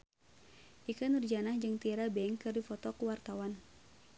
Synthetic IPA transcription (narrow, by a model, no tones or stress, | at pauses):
ʔikanurd͡ʒanahd͡ʒɨŋt̪iɛɾabɛŋkɨrdifɔt̪ɔkuwart̪awan